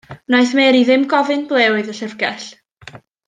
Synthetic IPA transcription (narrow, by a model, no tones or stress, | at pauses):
naɨθmɛːɾiðɪmɡɔvɨnblˠeːwɨðəɬəvɡɛɬ